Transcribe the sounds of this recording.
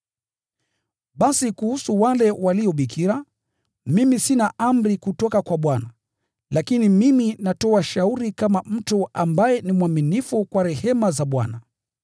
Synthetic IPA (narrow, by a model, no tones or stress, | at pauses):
ɓasikuhusuwalɛwaliɔɓikʰiɾa | mimisinaʔam̩ɾikutɔkakwaɓwana | lakinimiminatɔaʃauɾikamam̩tuambajɛnimwaminifukwaɾɛhɛmazaɓwa̰na